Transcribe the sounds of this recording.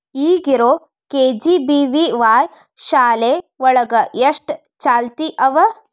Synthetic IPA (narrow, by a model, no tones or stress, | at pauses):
iːɡiɾoː | keːd͡ʒiːbiʋiʋaːj | ʃaːleʋɔɭɐɡɐjeʂʈ | t͡ʃaːlt̪iʔɐʋɐ